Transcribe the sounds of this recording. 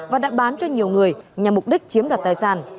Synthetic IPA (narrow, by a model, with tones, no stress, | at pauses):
vaː˨˩ɗa̰ː˧˥ɓaː˨˦nt͡ɕɔ˧ɲi˨˩əwŋɨ˨˩əjɲa˨˩mʊ˨˩k͡p̚ɗi˦˥k̚t͡ɕi˨˦əmɗaː˨˩t̪aː˨˩jsaː˧˩n